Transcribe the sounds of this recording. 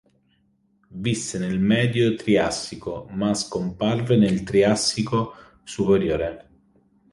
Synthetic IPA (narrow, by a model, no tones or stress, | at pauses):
visːenelmɛːd̪jot̪ɾiasːikomaskomparvenelt̪ɾiasːiko | supeɾjoːɾe